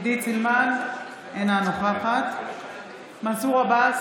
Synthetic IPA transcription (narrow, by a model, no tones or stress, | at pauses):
d̪it͡silman | enanoχaχat̪ | masuʁabas